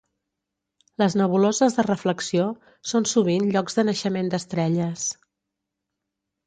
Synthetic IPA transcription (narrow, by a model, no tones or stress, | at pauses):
ləznəβ̞ulozəzðərəfləksio | sonsuβ̞inʎɔɡzðənəʃəmend̪əst̪ɾɛʎəs